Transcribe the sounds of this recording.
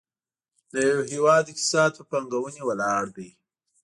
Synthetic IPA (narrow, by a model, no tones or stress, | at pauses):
d̪əjaweɦewɑd̪ɪkt̪i̥sɑd̪̚pəpaŋɡawənewəlɑɽd̪aj